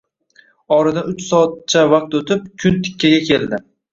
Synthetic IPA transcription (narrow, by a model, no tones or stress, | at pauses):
ɒɾad̪anʊt͡ʃsɒːat̪̚t͡ʃʰavaq̚t̪ot̪ʰɪp̚kʲʰʊnt̪ʰɪ̥kʲʰːaɡʲakʲe̞ld̪ɪ